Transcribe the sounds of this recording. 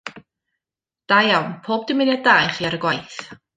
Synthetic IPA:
d̥ajawnpʰoːb̚dɪmɪnjadaːjχiaɾəɡwajθ

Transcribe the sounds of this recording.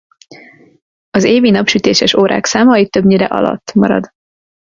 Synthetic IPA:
ɒzeːvinɒpʃyt̪eːʃɛʃoːɾa̰ːksaːmɒit̪ːøbɲiɾɛ̰ʔɒ̰lɒ̰t̪ːmɒɾɒ̰d̪

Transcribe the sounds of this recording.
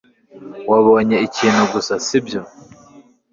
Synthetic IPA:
waβo̞ːɲeiciːn̤uɡusasibjo

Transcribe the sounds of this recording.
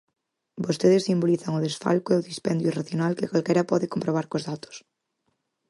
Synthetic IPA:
bost̪eðesːimboliθɐŋʊðesfa̰lkoeʊðispɛnd̪juiraθjonalkɪkalkɛɾɐpɔðɪkompɾoβ̞aɾkozðat̪o̥s

